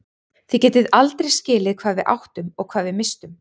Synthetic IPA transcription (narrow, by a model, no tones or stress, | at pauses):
θicɛːt̪ɪðalt̪ɾejscɪːlɪðkʰv̥aːðvɪðʔa̰wht̪ʏmɔɣkʰvaːðvɪmɪst̪ʏm